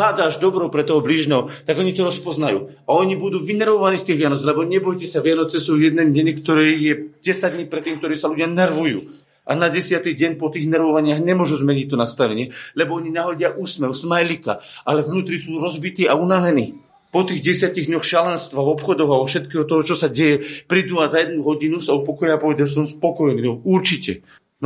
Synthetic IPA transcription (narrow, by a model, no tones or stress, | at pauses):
aːd̪aːaʒd̪ɔbɾɔʊpɾɛt̪ɔɦɔbliːʒnɛːɦɔt̪aɡɔɲit̪ɔɾɔspɔznajṵː | aɔɲibud̪uːʋinɛɾʋɔʋaniːst̪iːɣʋɪanɔt͡slɛbɔɲɛbɔjcɛsaʋɪanɔt͡sɛsuːjɛd̪nɛɟɛɲkt̪ɔɾɛjɛɟɛsaɟdɲipɾɛt̪ːiːmk̚t̪ɔɾɛjsaluɟɪanɛɾʋujṵː | ʔanaɟɛsɪat̪iɟɛɲpɔt̪iːɣnɛɾʋɔʋaɲɪaɣɲɛmʊɔʒuzmɛɲic̚t̪ɔnast̪aʋɛɲɪɛlɛbɔɔɲinaɦɔɟɪaʔuːsmɛʊsmajlika̰ʔalɛvnuːt̪ɾisuːɾɔzbit̪iːaunaʋɛniː | pɔt̪iːɣɟɛsɪaciɣd̪ɲɔxʃalɛnst̪ʋaɔpxɔd̪ɔɣaɔfʃɛt̪kɛːɦɔt̪ɔɦɔt͡ʃɔsaɟɛjɛpɾid̪uazajɛd̪nuɦɔɟinusaupɔkɔjaːpɔʋɛd̪als̬ɔmspɔkɔjniːɔuɾt͡ʃicɛ̰ | n